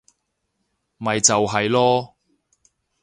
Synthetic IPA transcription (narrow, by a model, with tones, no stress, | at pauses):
mɐ˨jt͡sɐ˨wɦɐ˨jlɔː˥